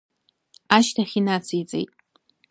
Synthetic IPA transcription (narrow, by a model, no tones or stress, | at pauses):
aːʃtʰaχʲinat͡sʰijt͡sʼḛjtʼ